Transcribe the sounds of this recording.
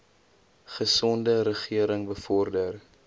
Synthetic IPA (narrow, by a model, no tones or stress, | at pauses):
χəsɔndəɾəχiəɾəŋbəfɔrdər